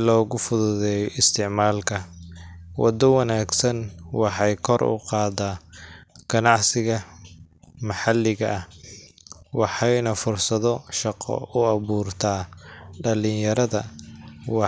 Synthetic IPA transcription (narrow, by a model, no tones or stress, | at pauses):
lɔːɣʊfʊðʊðɛːjɔɪst̪ʰɪʕmaːlkʰɐ | wʔɑ̰d̪ɔwɑnaːɡsɐnwɑħɑjkʰɔrʊ̰qɑːd̪aːɡ̥ɐnɑʕsɪɣɐ | mɐħɑlːɪɣɐʔɐh | wɑħɑjnɐfʊrsɐðɔʃɑqɔ̰ʊɑβuːrt̪ʰaːɖɐlɪjjɐɾɐðɐwɑ